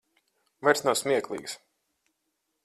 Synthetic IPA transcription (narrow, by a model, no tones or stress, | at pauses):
vajɾsnawsmʲiɛklˠḭːks